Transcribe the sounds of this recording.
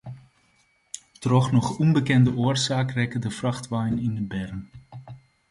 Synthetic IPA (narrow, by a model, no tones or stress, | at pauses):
trɔχnɔχɔnbəkɛndəʊːrzaːkrɛkədəfrɑχtʋɛjnɪnəbɛrn